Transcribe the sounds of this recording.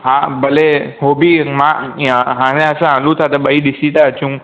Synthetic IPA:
ɦãbʱəleɦobimãɦãːñẽəsãɦə̃lũt̪ʰat̪əɓəiɗɪsit̪aət͡ɕũː

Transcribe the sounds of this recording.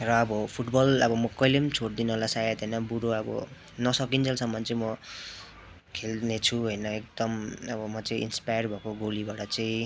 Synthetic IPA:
rʌːbʌpʰuʈbʌlʌbʌmʌkʌjlet͡sʰoɽd̪inʌlasajat̪ɦʌjnʌbuɽoʌbʌ̰ | nʌsʌkint͡sʰalsʰʌmːʌnt͡sʌĩmʌ | kʰelnet͡sʰuɦʌjnʌek̚d̪̥ʌmʌbʌmʌt͡sʌĩḭnspajʌrbʱʌkoɡolibaʈʌt͡sʌĩ

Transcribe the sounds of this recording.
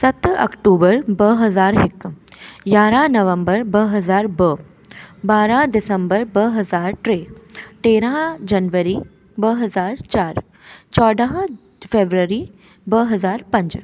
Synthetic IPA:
sɐt̪ɐ̰kʈuːbəɾbəɦɐzaːɾɦɪkːjaːɾãːnɐʋə̃mbəɾbəɦɐzaːɾbə | baːɾãd̪ɪsəmbəɾbəɦɐzaːɾʈɾeːʈeːɾãɦd͡ʒɐnʋəɾiː | bəɦɐzaːɾt͡ʃaːɾ | t͡ʃɔːɖəɦ | feːbɾəɾiː | bəɦɐzaːɾpɐ̃ɲd͡ʒ

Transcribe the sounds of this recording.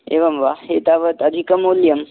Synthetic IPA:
eʋɐmʋaɦet̪aʋət̪ɐd̪ʱikɐmoljɐm

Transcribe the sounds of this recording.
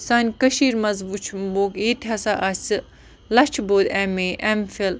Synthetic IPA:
saːnʲkɐʃiːɾmɐzʋut͡ʃʰmboːkeːt̪ʰɐsaʔasɨ | lɐt͡ʃʰboːd̪ɛmeʔɛmfil

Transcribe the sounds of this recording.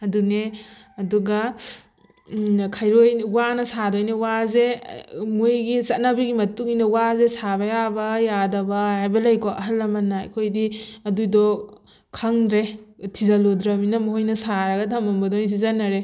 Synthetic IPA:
ɐdune | ɐduɡa | kʰajɾojwanɐsadojnewazemojɡisɐt̚nabiɡimɐtuŋinɐwazesabɐjabɐjadɐbɐajbɐlɐjkɔʔɐɦɐlːɐmɐna̰kʰojdiɐdujdɔ | kʰaŋɾetʰizalodɾɐminɐmoɦojnɐsaɾɐɡɐtʰɐmɐmbɐdɔns̬izanaɾe

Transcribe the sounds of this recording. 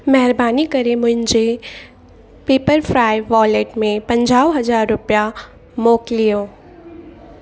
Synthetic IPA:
mɛɦɪɾbaːnikɐɾemʊ̃ɦɪ̃ɲd͡ʒe | peːpəɾpɾaːɪʋɔːleːʈmẽpɐ̃ɲd͡ʒaːʊɦɐzaːɾːʊpja | moːklijõː

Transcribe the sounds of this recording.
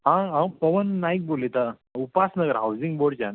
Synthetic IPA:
ɦããwpəʋənːaik̚bolet̪a | upasnəɡəɾɦawd͡ziŋɡboɽt͡ɕan

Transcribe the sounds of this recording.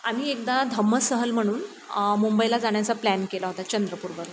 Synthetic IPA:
amiek̚d̪ad̪ʱəmːəsəɦəlm̤əɽ̃uːn | mumbəilad͡zaɳ̃jat͡saplænkelaɦot̪at͡ɕənd̪ɾəpuːɾbəɾ

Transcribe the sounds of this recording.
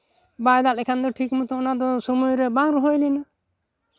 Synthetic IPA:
bajd̪alɛkʰand̪ɔʈʰikmut̪ɔːnad̪ɔsɔmujɾɛbaŋɾɔɦojlina

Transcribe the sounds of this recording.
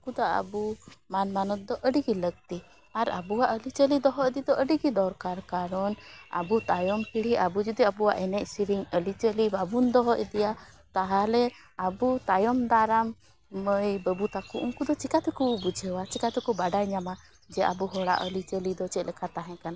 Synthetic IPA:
ukud̪aʔə̰bumanmanɔt̪̚d̪ɔʔəɖiɡiləɡ̚t̪i | aɾa̰buwaʔəlit͡ʃəlid̪ɔɦɔʔd̪id̪ɔʔəɖiɡid̪ɔɾkaɾkaɾɔna̰but̪ajɔmhiɽ̤iʔabud͡ʒud̪iabuwaʔɛnɛcsiɾiɲəlit͡ʃəlibabund̪ɔɦɔʔɛd̪ija | t̪aɦalɛ | abut̪ajɔmd̪aɾamː | əjbəbut̪akuʔuŋkud̪ɔt͡ʃikat̪ɛkubud͡ʒʱəwat͡ʃikat̪ɛkubaɖajɲama | d͡ʒɛa̰buɦɔɽa̰ʔəlit͡ʃəlid̪ɔt͡ʃɛt̪̚ˀlɛkʰat̪aɦɛ̃kana

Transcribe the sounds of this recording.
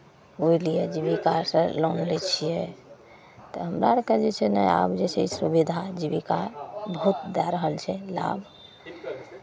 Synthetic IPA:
oilijed͡ʒiβikaɾsə̃lonlɛt͡ʃʰijɛ | t̪ɔɦəmɾaɾkəd͡ʒet͡ʃʰɛnɛja̰bd͡ʒet͡ʃʰɛisubid̪ʱad͡ʒiβikaɾbəɦut̪̚d̪ɛɾəɦəlt͡ʃʰɛla̰bʱ

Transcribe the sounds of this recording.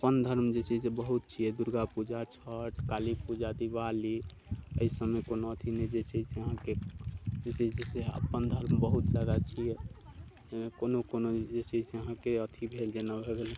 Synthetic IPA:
əpənd̪ʱəɾmd͡ʒet͡ʃʰisebəɦut̪̚t͡ʃʰijɛd̪uɾɡapud͡ʒat͡ʃʰəʈkalipud͡ʒad̪iβali | ə̰isəmekonoət̪ʰinɛd͡ʒet͡ʃʰɛseəɦãked͡ʒet͡ʃiseə̰pːənd̪ʱəɾmbəɦut̪ləɡat͡ʃʰijɛ | enekonokonod͡ʒet͡ʃʰɛseəɦãkeət̪ʰibʱeld͡ʒenabʱebelɛ

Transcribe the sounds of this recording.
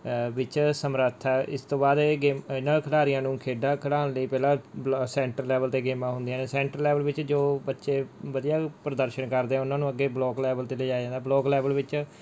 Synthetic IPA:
ʋɪt͡ʃsəmɾət̪ʰaɪst̪õːbaːd̪ɡeːmɪnãːkʰəɽaːɾijãːnũːkʰeːɖaːkʰəɽaːnləiːpɛːlãːsɛ̃ːɳʈɾəlːɛːʋəlt̪eːɡeːmãːɦʊnd̪ijãːneːsɛ̃ːɳʈɾəlːɛːʋəlʋɪt͡ʃd͡ʒoːbətːʃeːʋəd̪ijaːpɾəd̪əɾʃəɳkəɾd̪eːɛ̃ʊnãːnũːəɡeːblɔːklɛːʋəlt̪eːleːd͡ʒaːed͡ʒãːnd̪aːblɔːklɛːʋəlʋɪt͡ʃ

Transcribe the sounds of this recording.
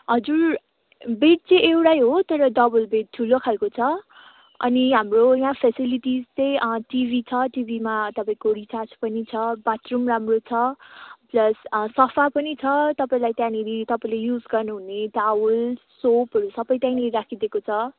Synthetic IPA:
ɦʌd͡zur | beʈ̚t͡sʌ̃ewʈajɦot̪ʌɾʌɖʌbʌlbeʈ̚ʈʰulokʰalkot͡sʰʌ | ʌ̰niɦamrojãpʰesiliʈizt͡sʌj̃ʌʈibʱit͡sʰʌʈibʱimat̪ʌpaĩkorit͡sat͡spʌnit͡sʰʌbat̪rumramrot͡sʰʌplʌssʌpʰapʌnit͡sʰʌt̪ʌpaĩlajt̪jãniɾit̪ʌpaĩlejud͡zɡʌrnuɦuneɖawulsopɦʌɾusʌbʌjt̪jãneɾakʰid̪ekot͡sʰʌ

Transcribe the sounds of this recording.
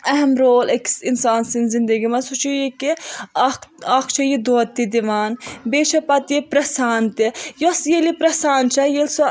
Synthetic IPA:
ɐɦɛmɾoːlɐksinsaːnsinzind̪ɐɡimɐsut͡ʃʰijekikaːkʰt͡ʃʰɐjid̪oːɐt̪ːid̪iʋaːnbeːt͡ʃʰɐpɐt̪jipɾɐsaːnt̪ijosjelipɾɐsaːnt͡ʃʰɐjelso

